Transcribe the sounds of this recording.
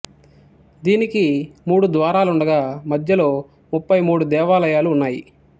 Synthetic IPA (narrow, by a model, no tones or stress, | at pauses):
d̪iːnikimuːɽud̪ʋaːɾaːluɳɖɐɡaːmɐd̪ʱjɐlo̞ː | mupːɐjmuːɽud̪ɛːʋaːlɐjaːluːnːaːjḭ